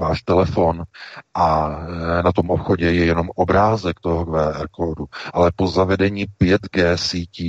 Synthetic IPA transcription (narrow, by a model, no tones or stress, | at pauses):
vaːʃt̪ɛlɛfo̞nʔa | nat̪o̞mʔopxo̞ɟɛjɛjɛno̞mʔobɾaːzɛkt̪oɦoɡvɛːʔɛɾkoduʔalɛpo̞zavɛdɛɲiːpjɛt̪ɡɛːsiːciː